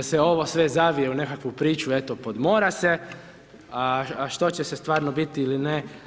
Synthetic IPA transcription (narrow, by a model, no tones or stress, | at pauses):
aseo̞ʋo̞sʋe̞zaʋijeune̞kakʋupɾiːt͡ʃuet̪o̞po̞d̪mo̞ːɾase̞ | aʃt̪o̞t͡ɕesest̪ʋaːɾnobit̪iiline